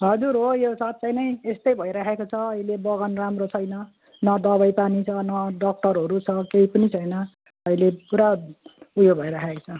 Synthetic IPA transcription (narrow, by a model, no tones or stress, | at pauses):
ɦʌd͡zuɾɦojosat̪̚t͡sajnʌj̃est̪ʌjbʱʌjɾakʰekot͡sʰʌːilebʌɣanramrot͡sʰʌjnʌ | nʌd̪ʌβajpanit͡sʰʌnʌɖʌk̚ʈʌrɦʌɾut͡sʰʌkeipʌnit͡sʰʌjnʌ | ʌilepuɾaujobʱʌjɾakʰekot͡sʰʌ